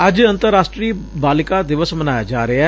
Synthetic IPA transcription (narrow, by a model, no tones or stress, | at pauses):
əd͡ʒə̃nt̪əɾːaːsʈɾiːbaːlɪkaːd̪ɪʋəsmənaːjad͡ʒaːɾea